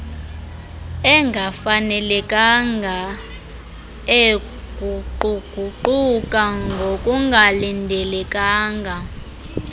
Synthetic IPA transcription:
ɛŋɡʱafanɛlɛkʼaŋɡʱa | e | ɡ̥ʱuǃuɡ̥ʱuǃukʼaŋɡʱokʼuŋɡʱalindʱɛlɛkʼaːŋɡʱa

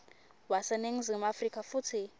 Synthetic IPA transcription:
wasɛneŋ̩zimafrikʰʼafut͡sʰi

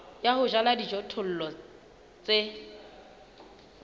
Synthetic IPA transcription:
jahʊʒaladid͡ʒɔtʰʊl̩lɔ | t͡sʼe

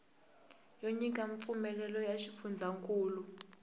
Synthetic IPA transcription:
joɲikʼaɱfumɛlɛlɔjaʃifund͡zʱaŋkʼuːlu

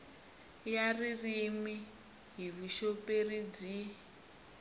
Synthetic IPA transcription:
jaririmi | ɦiβiʃoperid͡zi

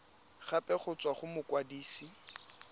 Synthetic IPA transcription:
χapʼɛχʊt͡sʼwaχʊmʊkwadiːsi

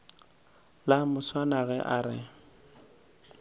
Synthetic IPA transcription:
lamʊswanaɣɛʔaɾɪ̰

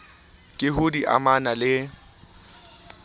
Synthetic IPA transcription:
kʼɪɦʊdiʔa̰manalɪ

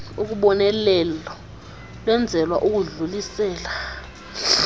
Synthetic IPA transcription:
uk̬uɓɔnɛlɛlɔ | lwɛnd͡zʱɛlwaʔuk̬uɮulisɛːla

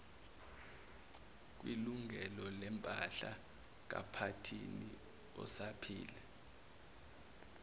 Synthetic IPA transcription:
k̬wiluŋʱɛlɔlɛmpʼaɬa | k̬a̰pʰatʰini | ɔ̰sapʰiːlɛ

